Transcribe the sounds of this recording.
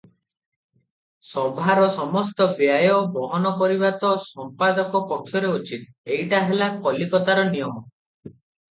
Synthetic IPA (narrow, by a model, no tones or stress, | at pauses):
sɔbʱaɾɔsɔmɔst̪ɔbjajɔbɔɦɔnɔkɔɾibat̪ɔsɔmpad̪ɔkɔpɔkʰːjɔɾeut͡ʃʰit̪ | ejʈaɦelakɔlikɔt̪aɾɔnijɔmɔ